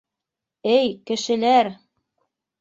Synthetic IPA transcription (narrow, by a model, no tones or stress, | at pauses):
ɘjkɘ̆ʃɘ̆læɾ